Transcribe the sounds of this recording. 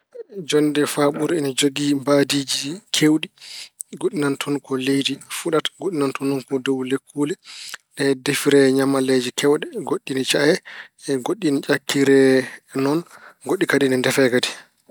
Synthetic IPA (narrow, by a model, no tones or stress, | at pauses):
d͡ʒɔndɛfaɓuɾɛnad͡ʒoɡimbadiːd͡ʒikʰewɗiɡoɗinantʰɔnkɔlejdifuɗatɡoɗinantɔnɔnkɔdowlekʰːuːlɛɗɛdefiɾɛɲamaled͡ʒikʰɛwɗɛɡoɗːinit͡ʃahɛɡoɗːinit͡ʃʼakːiɾɛnɔnɡoɗːikadinindɛfɛkadi̥